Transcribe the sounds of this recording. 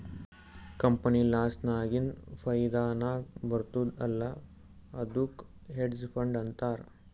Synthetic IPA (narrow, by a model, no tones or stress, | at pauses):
kɐmpənilaːsʈnaːɡinpʰɐjd̪aːnaːbɐɾt̪uːd̪ɐlːa | ɐd̪uk | ɦeɖspʰɐɳɖɐnt̪aːɾ